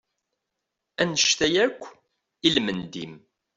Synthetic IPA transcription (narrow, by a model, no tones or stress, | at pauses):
ænəʃt̪æjækʷː | ilmənd̪ḭm